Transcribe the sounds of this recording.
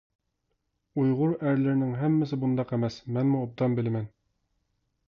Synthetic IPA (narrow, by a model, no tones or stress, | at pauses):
ujʁuɾæɾlɘ̆ɾnɘŋɦæmːɘ̆s̬ɘbund̪ɑqæmæsmænmuɑb̚d̪ɑmbɘ̆lmæn